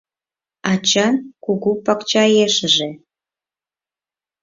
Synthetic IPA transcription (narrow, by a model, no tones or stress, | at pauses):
ɑt͡ɕɑnkuɣupɑkt͡ɕɑjeʃəʒe